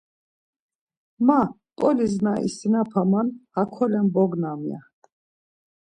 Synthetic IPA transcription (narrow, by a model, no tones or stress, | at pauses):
ma | t̪ʼɔliznaʔḭsinapʰamanhakʰɔlɛmbɔɡnamja̰t̪